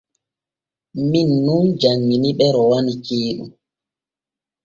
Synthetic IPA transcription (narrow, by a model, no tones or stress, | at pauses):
minːund͡ʒaŋːiniɓɛɾɔwanikeːɗṵ